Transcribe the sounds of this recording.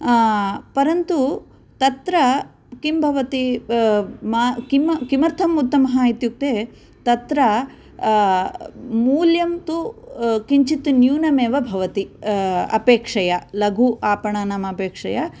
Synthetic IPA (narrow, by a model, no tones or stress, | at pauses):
pɐɾɐnt̪u | t̪ɐt̪ɾɐ | kimbʱɐʋɐt̪i | makimɐkimɐɾt̪ʰɐmut̪ːɐmɐɦaːjit̪juk̚t̪eː | t̪ɐt̪ɾɐ | muːljɐmt̪ukiɲt͡ʃit̪unjuːnɐmeːʋɐbʱɐʋɐt̪iɐ̰peːkʂɐjɐlɐɡʱuʔaːpɐɳaːnaːmɐpeːkʂɐjɐ